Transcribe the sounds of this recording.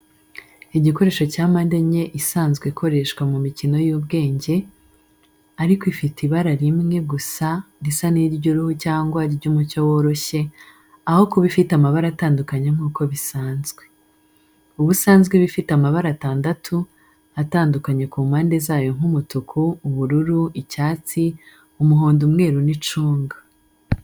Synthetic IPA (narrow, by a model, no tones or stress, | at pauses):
iɟiko̞ɾe̞ːʃo̞caːmandeɲe̞ʔisaːnzɡweikʰo̞ɾe̞ʃkwamumicino̞jubɡe̞ːɲɟe̞ | aɾikoifitiβaɾaɾimŋe̞ɡusaɾisaniɾɟoɾuhucaːŋɡwaɾiɾɟumucowo̞ːɾo̞çe̞ | aho̞kuβifitamaβaɾataːndukaɲeŋ̥uːko̞βisaːnzɡwe̞ | uβusaːnzɡweβifitamaβaɾataːndatʰu | ataːndukaɲe̞kuːmaːnde̞zaːjo̞ŋ̥humutukʰuːβuɾuɾuicaːt͡si | umuɦoːndumŋe̞ːɾunit͡ʃuːŋɡa